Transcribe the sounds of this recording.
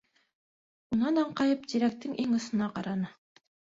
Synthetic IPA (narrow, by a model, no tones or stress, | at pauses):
unɑnɑɴqɑjɤpt̪iɾæk̚t̪ːɘŋʔiŋɤ̆sɤ̆nɑqɑɾɑnɤ